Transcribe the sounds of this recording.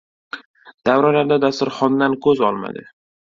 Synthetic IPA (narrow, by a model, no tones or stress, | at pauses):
d̪̥avɾalaɾd̪ad̪ast̪ʊɾχɒnd̪ankʰɵzɒlˠma̰d̪ɪ